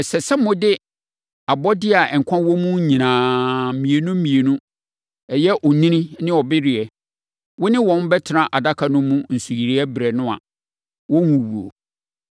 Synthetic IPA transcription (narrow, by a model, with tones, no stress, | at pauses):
ɛ˨sɛ˨sɛ˦mʊ̃˦dɪ˦ | a˨bɔ˦dɪ˦a˨ɛ˨ŋ̩˨kʷʰã˦wɔ̃˦mũ˦ɲĩ˨nãː˨˦mĩ˨e˨nũ˦m̩˦mĩ˨e˨nũ˦ | ɛ˨jɛ˦ʔɔ˨nĩ˦nĩ˦nɪ̃˦ɔ˨bɪ˦ɾɪ˨ɛ˨ | wʊ˦nɪ̃˦wɔ̃˨˦n˦bɛ˦tʰɪ˨ɾã˨ʔa˨da˦kʰa˨nʊ̃˦mũ˦n̩˨su˨ji˨ɾi˦ɛ˦bɪ˨ɾɛ˨nʊ̃˦a̰˨ | wɔ̃˦wũ˨wu˨o̰˨